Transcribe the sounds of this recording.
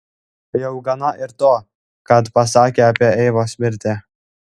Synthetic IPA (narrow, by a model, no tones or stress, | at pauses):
jɛʊɡɐnɐʔɪɾt̪oː | kɐt̪pɐs̬ɑːkʲeːɐpʲiɛɛɪʋoːsʲmʲɪɾʲt̪ʲe